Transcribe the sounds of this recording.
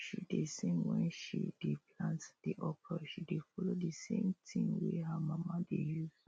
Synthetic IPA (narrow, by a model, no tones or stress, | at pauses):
ʃidesẽmwɛ̃nʃḭdepʰlãntd̥iʔɔpʰəʃidefɔlodəsḛ̃mtʰĩŋweɦəmamadejuz